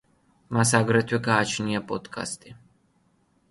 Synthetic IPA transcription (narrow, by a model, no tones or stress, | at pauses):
mas̬aɡɾɛt̪ʰwɛkaːt͡ʃʰnijapɔt̪kʰa̰st̪i